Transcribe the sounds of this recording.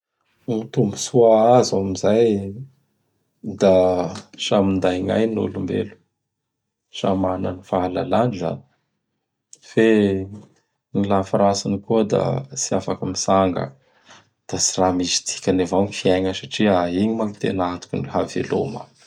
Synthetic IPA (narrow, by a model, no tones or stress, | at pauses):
ut̪umbusuaazamizaj | d̪asamind̪ajŋa̰jnṵlumbḛlu̥ | ʃa̰mananifaala̰laniza̰ni̥ | fe | nilafaɾasanikuəd̪a̰t͡siafakəmisaŋɡə̰ | d̪̥asiramizi̥t̪ʰi̥kʲanevawɲifiajɲəsaʈ͡ʂiaiɲimaŋit̪enat̪u̥kniɦavḛlo̰mə̰